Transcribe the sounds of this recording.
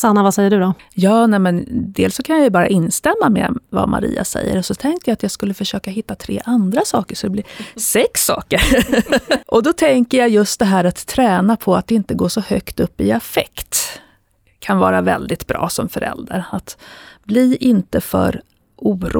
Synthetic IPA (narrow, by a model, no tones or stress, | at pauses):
sanːavasɛjːəɖɵd̪ɔjɑːnɛmɛnd̪eːlsːɔkʰanjajɵbɑːɾa̰ʔɪnst̪ɛmːamḛva̰mʔa̰ɾḭːa̰sɛ̰jːə̰ɾɔsɔt̪ʰɛŋk̚t̪əjaat̪jaːɡskɵlːəfœʂøːkaɦɪt̪ːat̪ʰɾḛːʔand̪ɾasɑːkəʂɔd̪ɛblɪɾsɛksːɑ̰ːkəɾ | ʔɔd̪ɔt̪ʰɛŋkəjajɵst̪̚d̪ɛɦæːɾat̪ʰːɾɛːnapʰɔat̪̚d̪ɛɪnt̪əɡoːʂɔhœkt̪ɵpːɪafɛkt̪ | kʰanvɑːɾavɛ̰ld̪ɪt̪bɾɑ̰ːsɔmfœɾɛ̰ld̪aɾat̪bliʔɪnt̪əfœ̰ɾ | ʔuːɾṵ